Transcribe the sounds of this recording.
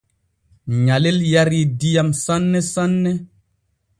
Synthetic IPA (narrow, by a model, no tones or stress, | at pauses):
ɲaleljaɾidijamsanːesanːe